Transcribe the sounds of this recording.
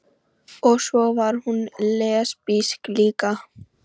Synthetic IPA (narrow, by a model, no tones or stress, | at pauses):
ɔsoʋaɾhunleːspiskliːka